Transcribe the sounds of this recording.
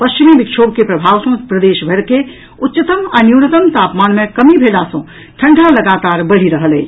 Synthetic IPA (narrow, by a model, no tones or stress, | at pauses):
pɐst͡ʃɪmiʋɪkʃʰoːb̚kepɾɐbʱaːʋsõpɾəd̪eːʃbʱəɾke | ʊtːʃɪt̪əmənjuːnət̪əmt̪aːpmaːnmẽkɐmibʱeːlaːsõ | ʈʰɐ̃ɳɖʱalɐɡaːt̪aːɾbɐɽ̤iɾəɦəlḛː